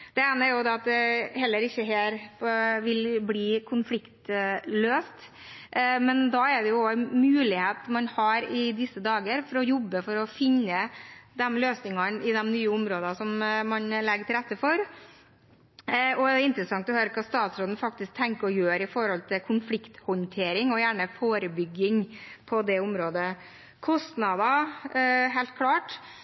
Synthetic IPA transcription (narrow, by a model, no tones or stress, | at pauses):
d̪̥ɛeːnəɾjʊd̪ɛɑt̪̚d̪ɛhɛlːəɾɪçːəɦeɾfʋɪlbliːkʰʊnflɪkt̪løːst̪ | mɛnd̪ɑɛɾɖ̪ɛjʊɔæmʉːlɪheːt̪mɑnhɑɾɪd̪ɪsːəd̪ɑːɡəɾfɔɾɔjɔbːəfɔɾɔfɪnːəd̪ɛmløːsnɪŋɑnɪd̪ɛmnyːəʊmɾoːd̪ɑsɔmmɑnlɛɡəʈʰɪlɾɛt̪ːəfɔɾ | ɔɛɪnt̪ɾəsɑŋt̪ɔhøːɾəkʰɑːst̪ɑːt̪sɾoːd̪n̩fɑk̚t̪ɪsk̚t̪ʰɛŋkəɔjøːɾɪfɔɾhɔlt̪ʰɪkʰʊnflɪkt̪hɔnt̪ʰeːɾɪŋɔjæːɳəfoːɾəbʏɡɪŋpʰɔd̪ɛʊmɾoːd̪ə | kʰɔst̪nɑd̪ɑ | ɦæɪlt̪̚kʰlɑːʈ